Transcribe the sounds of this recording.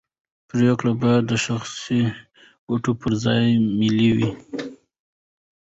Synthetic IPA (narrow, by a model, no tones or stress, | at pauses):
pɾekɽabad̪əʃaxsi | ɡ̥oʈopəɾzɑjmɪliwi